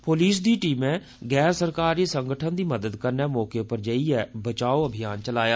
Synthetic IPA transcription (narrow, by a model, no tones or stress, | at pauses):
poːliːsd̪iːʈiːmɛ̃ː | ɡɛːɾsəɾkaːɾiːsəŋɡəʈʰənd̪iːməd̪əd̪kəɾnɛːmɔːkeːpəɾd͡ʒəiːɛːbət͡ʃaːoːəbʱɪjaːnt͡ʃəlaːjaː